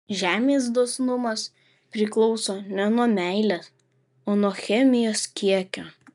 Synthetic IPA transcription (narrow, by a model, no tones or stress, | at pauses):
ʒʲæːmʲeːsd̪oːsnʊmɐs | pʲɾʲɪklˠɔʊsoːnʲɛnuɔmʲæɪlʲes | oːnuɔxʲɛmʲɪjoːskʲiɛkʲoː